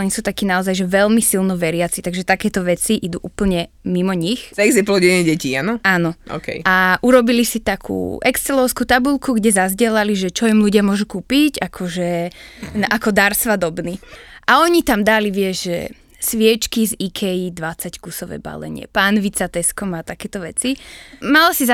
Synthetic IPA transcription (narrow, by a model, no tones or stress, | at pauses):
ɔɲisuːt̪akiːnaɔzajʒɛʋɛlmisilˠnɔʋɛɾɪat͡sit̪aɡʒɛt̪akɛːt̪ɔʋɛt͡siʔid̪uʔuːpl̩ɲɛ | mimɔɲixzɛɡziplɔɟɛnɛɟɛcianɔaːnɔʔɔ̰ːkɛ̰jaʔuɾɔbilisit̪akʰṵːʔɛkst͡sɛlɔʊskuːt̪abulˠkuɡɟɛzazɟɪɛlaliʒɛt͡ʃɔimluɟɪamʊɔʒukuːpiɟakʰɔʒɛ | ʔakɔd̪aɾsʋad̪ɔbniʔaɔɲit̪amd̪aliʋɪɛʒʒɛ̰ | sʋɪɛt͡ʃkizikʰɛjid̪ʋat͡sackusɔʋɛ̰ːba̰lɛ̰ɲɪɛ̰paːnʋit͡sat̪ɛskɔmat̪akɛːt̪ɔʋɛt͡simalasiza